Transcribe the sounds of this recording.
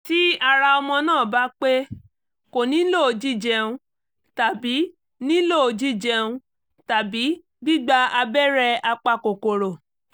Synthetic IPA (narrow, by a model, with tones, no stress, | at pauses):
ti˦a˧ɾa˧ɔ˧mɔ̃˧nãː˦˨ba˨˧˦k͡pe˦ | ko˨nĩ˨˦lo˦˨˧d͡ʒi˦d͡ʒɛ˧ũ˧ | ta˨bi˨˦ | nĩ˦lo˦˨o˧d͡ʒi˦d͡ʒɛ˧ũ˧ | ta˨bi˨˦ | ɡ͡bi˦˨ɡ͡ba˧a˧bɛ˦ɾɛ˧a˧k͡pa˧ko˨ko˨ɾo˨